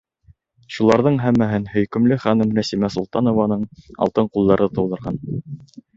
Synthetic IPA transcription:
ʃulˠɑɾðɤɴɦæmːæɦɘnhɵ̆jkɵ̆mlɘχænɘmɾæsimæsulˠt̪ɑnŏvɑnɤɴɑ̰lˠt̪ɤɴqulˠd̪ɑɾɤt̪ɤ̆wðɤ̆ɾʁɑn

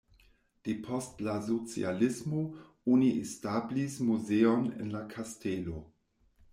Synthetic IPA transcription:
d̥epʰɔstlazot͡sḭalɪsmo | oniestablismuzeonḛnlakʰastelo

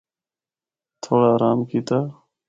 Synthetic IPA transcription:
t̪ʰoːɽaːɾaːmkʰiːt̪aː

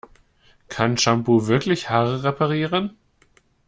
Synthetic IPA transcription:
kʰanʃambuvɪɐklɪçhaːʁəʁepʰaʁiːʁən

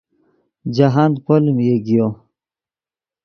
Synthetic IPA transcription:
d͡ʑaɦankolimjeɡijo

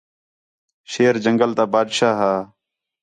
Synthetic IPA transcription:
ʃeːɾd͡ʒəŋɡəlt̪aːbaːd̪ʃaːɦaː

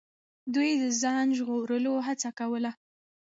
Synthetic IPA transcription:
d̪ujd̪əzɑnʒɣoɾəloɦat͡sakawəla

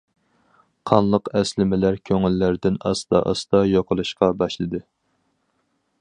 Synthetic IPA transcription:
qʰɑnlˠəqɛslɪmɪlæɾkʲʰøŋɪlːæɾd̪ɪnɑsd̪ɑ̰ʔɑ̰sd̪ɑjoqʰəlˠuʃqɑbɑʃlˠɨd̪ɨ

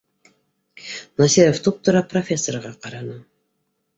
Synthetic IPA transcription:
nasʲiɾoft̪up̚t̪ŏɾɑprofʲe̞sːorʁɑqɑɾɑnɤ

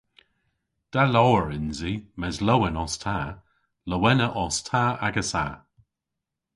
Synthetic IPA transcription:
d̥alɔːəɹɪnzimɛzlowənɔstʰaː | ləwɛnəʔɔstʰaːaɡəsa̰

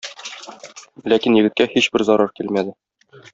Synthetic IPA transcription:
lækinjɘ̆ɡɘ̆t̪̚kæhiɕbɘɾzɒɾɑɾkilmæd̪ɘ

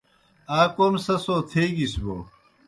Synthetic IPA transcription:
aːkoːmsɐsoːt̪ʰeːɡisbo̰

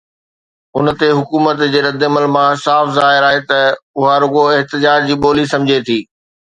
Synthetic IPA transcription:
ʊnət̪eɦʊkuːmət̪d͡ʑeːɾɐd̪ɪɐməlmãsaːfzaːɦɪɾaːɦet̪ɐʊɦaɾʊɡoɪɦt̪ɪd͡ʑaːd͡ʑd͡ʑiːɓoːlisɐ̃md͡ʑʱet̪ʰiː

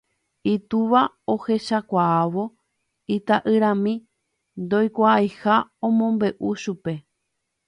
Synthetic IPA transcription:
it̪uʋa | ohe̞ʃakʷaaʋo̞ | it̪aʔɨɾãmĩ | nd̪o̞jkʷaːjhaõmõ̞mbe̞ʔuʃupe̞

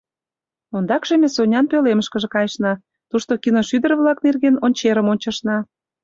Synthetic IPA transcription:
ond̪ɑkʃemʲesonʲɑnpøleməʃkəʒĕkɑjəʃnɑ | t̪uʃt̪okinoʃyd̪ərβlɑknerɣenonʲt͡ɕeɾəmonʲt͡ɕɑʃnɑ

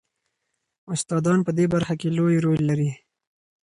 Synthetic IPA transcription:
ʊst̪ɑːd̪ɑnpəd̪ebaɾxakelojɾolːaɾi

